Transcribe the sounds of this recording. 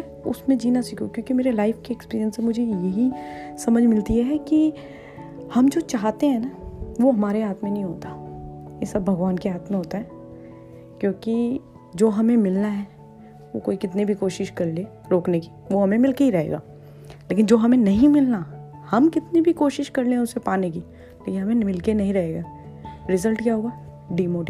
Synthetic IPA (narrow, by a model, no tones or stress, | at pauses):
ʊ̰smẽd͡ʒiːnasiːkʰukjõːkimeːɾelaːɪfkeːkspiːɾijənsẽmʊd͡ʒʱejɐɦisɐməd͡ʒʱmɪlt̪iɦɛɦɛki | hɐmd͡ʒoːt͡ʃaːɦt̪eɦɛ̃naʋoɦɐmaːɾeɦaːt̪mẽnɐɦĩɦoːt̪ajesɐbːʱɐɡʋaːnkeɦaːt̪mẽɦoːt̪aɦɛː | kjõːki | d͡ʒoːɦɐmẽmɪlnaɦɛː | ʋokoːikɪt̪nibʱikoːʃɪʃkɐɾle | ɾoːkneki̥ | ʋoɦɐmẽmɪlkeiɾɐɦḛːɡa̰ː | leːkɪnd͡ʒoːɦɐmẽnɐɦĩmɪlna | hɐmkɪt̪nibʱikoːʃɪʃkɐɾlẽɦɛ̃ʊsepaːnek̬i | leːkɪnɦɐmẽmɪlkenɐɦĩɾɐɦeːɡaː | ɾɪzəlʈkjaɦʊa | ɖiːmoːɖi